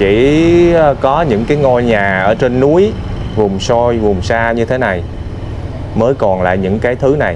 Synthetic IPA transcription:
t͡ɕḭ˧˩˧ | kɔ˨˦ɲɨ̰˧˥ŋkaː˨˦jŋo˧jɲaː˨˩ʔəː˧˩t͡ɕe˧nːu˨˦əj | vʊ˨˩ŋ͡mso˧jvʊ˨˩ŋ͡msaː˧ɲɨ˧t̪ʰe˨˦na˨˩j | məː˨˦jkɔ˨˩nla̰ː˧˨jɲɨ̰˧˥ŋkaː˨˦jt̪ʰɨ˨˦na˨˩j

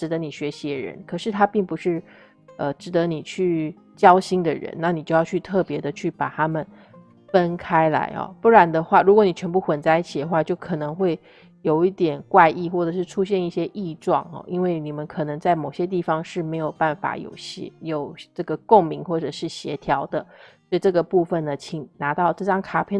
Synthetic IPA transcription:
ʈ͡ʂɻ̩˧˥d̪ə˧˦ni˨˩ɕɥɛ˧˥ɕi˧˥d̪ə˧ɻə̰˧˥nkʰɤ˨˩ʂɻ̩˥˩t̪ʰa˥pi˥˩ŋpu˧˥ʂɻ̩˥˩ | ə˧ʈ͡ʂɻ̩˧˥d̪ə˧ni˨˩t͡ɕʰy˥˩ | t͡ɕjɑ˥ʊɕi˥ŋd̪ə˨ɻə̰˧˥nna˥˩ni˨˩t͡ɕjo˥˧jɑ˥˧ʊt͡ɕʰy˥˧t̪ʰɤ˥˩pjɛ˧˥d̪ə˧t͡ɕʰy˥˩pa˨˩t̪ʰa˥mə˨n | fə˦˥nkʰa˥ɪla̰˧˥ɪɐ̰˧˩pu˥˩ɻa˧˥nd̪ə˧xwa˥˩ɻu˧˥kwɔ˧˥˦ni˨˩t͡ɕʰɥɛ˧˥npu˥˩xwə˨˩nt͡sa˥ɪi˥˩t͡ɕʰi˨˩d̪ə˦xwa˥˧t͡ɕjo˥˩ʊkʰɤ˨˩nɤ˧˥ŋxwe˥˩ɪ | jo˨˩ʊi˥˩t̪jɛ˨˩nkwa˥˧ɪʔi˥˧xwɔ˥˩ʈ͡ʂɤ˨˩ʂɻ̩˥˩ʈ͡ʂʰu˥ɕjɛ˥˧ni˥˩ɕjɛ˥ʔi˥˧ʈ͡ʂwɑ̰˥˩ŋɔ̰˩ʔi˥nwe˥˩ɪni˨˩mə˦nkʰɤ˨˩nɤ˧˥ŋt͡sa˥˩ɪmo˨˩ʊɕjɛ˦˥t̪̬i˥˩fɑ˩ŋʂɻ̩˥˩me˧˥ɪjo˨˩ʊpa˥˩nfa̰˨˩˦jo̰˨˩ʊɕɛ̰˥jo˨˩ʊʈ͡ʂɤ˥˩ɡə˩ko˥˩ŋmi˧˥ŋxwɔ˥˩ʈ͡ʂɤ˨˩ʂɻ̩˥˩ɕjɛ˧˥t̪ʰjɑ˧˥ʊd̪ə˧sɔ˥i˨˩ʈ͡ʂɤ˥˩ɡə˩pu˥˩fə˩nə˩t͡ɕʰi˨˩ŋna˧˥t̪ɑ˥˧ʊʈ͡ʂɤ˥˩ʈ͡ʂɑ˥ŋkʰa˥pʰjɛ˥˧

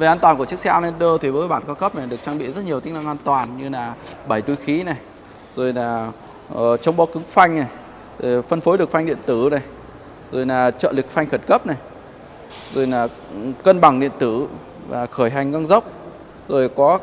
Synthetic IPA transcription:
ve˨˩ʔaː˧nt̪waː˨˩nku˧˩əɨ˦˥k̚saː˧wne˧˦nɗəː˧t̪ʰi˨˩vəː˨˦jɓa̰ː˧˩˨nkɔ˨˦kə˦˥p̚na˨˩ɗɨ˨˩ək̚t͡ɕaː˧ɓḭ˧˨zə˦˥t̚ɲi˨˩əwt̪i˨˦na˧ŋʔaː˧nt̪waː˨˩nɲɨ˧laː˨˩ɓə˧˩jt̪u˧jxi˨˦na˨˩j | z̥o˨˩jlaː˨˩ | ə˨˩t͡ɕɔ˨˦wŋ͡mɓɔ˨˦kɨ˨˦ŋfa˧jŋ̟na˨˩j | zo˨˩fə˧nfo˨˦jlɨ˨˩k̚fa˧jŋ̟ɗḭ˧˨ənt̪ɨ˧˩na˨˩j | zo˨˩jlaː˨˩t͡ɕə̰ː˧˨li˨˩k̚fa˧jŋ̟xə˧˩nkə˦˥p̚na˨˩j | zo˨˩jlaː˨˩ | kə˧nɓa˨˩ŋɗḭ˧˨ənt̪ɨ˧˩ | va̰ː˨˩xəː˧˩jɦa˨˩ŋŋa˧ŋzə˦˥wk͡p̚ | zo˨˩jkɔ˨˦

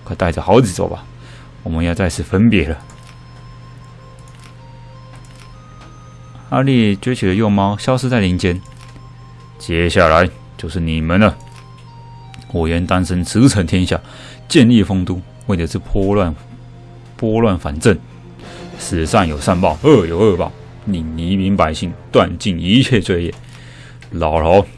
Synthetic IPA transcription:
kʰɤ˧˥t̪a˥˩ɪʈ͡ʂə˨˩xɑ˧˥ʊt͡ɕi˨˩t͡swɔ̰˥˩ba̰˨ | wɔ˨˩mə˦njɑ˥˧t͡sa˥˧ɪʂ̩˥˩fə˥npjɛ˧˥lə˨ | xa˥li˥˩t͡ɕɥɛ˥t͡ɕʰy˨˩d̪ə˧˦jɔ˥˩ŋmɑ˥ʊɕjɑ˥ʊʂɻ̩˥˧t͡sa˥˩ɪli˧˥nt͡ɕjɛ˥n | t͡ɕjɛ˧˥ɕja˥˩la˧˦ɪ | t͡ɕjo˥˧ʊʂɻ̩˥˩ni˨˩mə˨˦nə˨ | wɔ˨˩ɥɛ˧˥nt̪a˥nsə˧˥nt͡sʰɹ̩˧˥t͡sʰə˧˥nt̪ʰjɛ˥nɕja̰˥˩ | t͡ɕjɛ˥˧nli˥˩fɤ˥ŋt̪u˥ | we˥˩ɪdə˨˩ʂ̩˥˩pʰa˥˨ | pwɔ˥lwa˥˩nfa˨˩nt͡sə˥˩n | ʂɻ̩˨˩sa˥˩ŋjo˨˩ʊsa˥˧npɑ˥˩ʊə˥˩jo˨˩ʊə˥˧˩pɑ̰˥˩ʊ | li˨˩ŋni˧˥mi˧˥ŋpa˧˥ɪɕi˥˩ŋt̪wa˥˧nt͡ɕi˥˩ni˧˥t͡ɕʰjɛ˥˧t͡swe˥˧ɪjɛ˥˩ | lɑ˨˩ʊlo˧˥ʊ

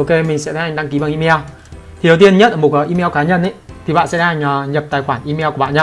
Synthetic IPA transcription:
ʔo˧ke˧mï˨˩ŋ̟sɛ̰˧˥ɗa˧nhŋɗa˧ŋki˨˦ɓaː˨˩nʔi˧mɛ˧w | t̪ʰi˨˦ə˨wt̪i˧ənɲə˦˥t̚ʔəː˧˩mo˨˩t̚kəː˨˦ʔi˧mɛ˧wkaː˨˦ɲə˧nʔə˧˦jt̪ʰi˨˩ɓa̰ː˧˨nsɛ̰˧˥a˧ha˨˩ŋ̟əː˨˩ɲə˨˩p̚t̪aː˨˩jxwaː˧˩nʔi˧mɛ˧wkɓ̰a̰ː˧˨ɲaː˧

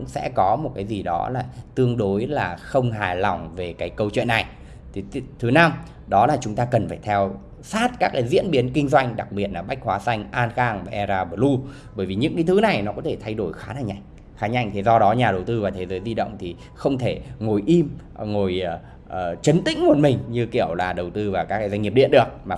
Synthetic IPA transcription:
ʊ̰˧˥ŋ͡msɛ̰˧˥kɔ˨˦mo˨˩t̚kaː˨˦jzi˨˩ɗɔ˨˦laː˨˩t̪ɨ˧əŋɗo˨˦jlaː˨˩xə˧wŋ͡mɦaː˨˩jlɔ˨˩wŋ͡mve˨˩kaː˨˦jkə˧wt͡ɕwḭ˧˨nːa˨˩j | t̪ʰi˨˩˧t̪ʰɨ˨˦na˧m | ɗɔ˨˦laː˨˩t͡ɕʊ˨˦ŋ͡mt̪aː˧kə˨˩nfaː˧˩t̪ʰɛ˧w | saː˦˥t̚kaː˦˥k̚kaː˨˦jzḭ˧˥ənɓi˨˦ənkï˧ŋ̟zwa˧jŋ̟ɗa˨˩k̚ɓi˨˩ət̚laː˨˩ɓa˦˥jk̟̚hwaː˨˦sa˧jŋ̟ʔaː˧nxaː˧ŋvaː˨˩ʔɛ˧zaː˧ɓə˨˩lu˧ | ɓəː˧˩jvi˨˩ɲɨ̰˧˥ŋkaː˨˦jt̪ɨ˨˦na˨˩jnɔ˨˦kɔ˨˦t̪ʰe˧˩t̪ʰa˧jɗo˧˩jxaː˨˦na˧˩ɲa̰˧˨ŋ | xaː˨˦ɲa̰˧˩jŋt̪ʰi˨˩zɔ˧ɗɔ˨˦ɲaː˨˩ɗə˨˩wt̪ɨ˧vaː˨˩t̪ʰe˨˦zəː˨˦jzi˧ɗə̰˧˨wŋ͡mt̪ʰi˨˩ | xə˧wŋ͡mt̪ʰe˧˩ŋo˨˩jʔi˧mŋo˨˩j | t͡ɕə˨˦nt̪ḭ˧˥ŋ̟mo˨˩t̚mï˨˩ŋ̟ɲɨ˧ki˧˩əwlaː˨˩ɗə˨˩wt̪ɨ˧vaː˨˩kaː˦˥kːaː˨˦zwa˧ŋi˨˩əpɗḭ˧˨nɗɨ˧˩ək̚maː˨˩

